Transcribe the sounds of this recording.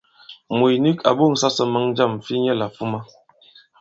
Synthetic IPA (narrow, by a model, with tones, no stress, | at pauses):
mu˨jni˦kʰa̰˨bo˦˨ŋ̩˨sa˦sə˨mə˨˦ŋd͡ʒa˦˨m˨fi˦ɲɛ˦la˨fu˦ma˦